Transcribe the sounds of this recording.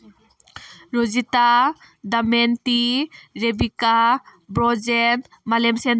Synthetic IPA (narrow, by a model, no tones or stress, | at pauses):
ɾozita | d̪amɛnt̪iɾebikabɾɔd͡ʒɛn | malɛmsɛn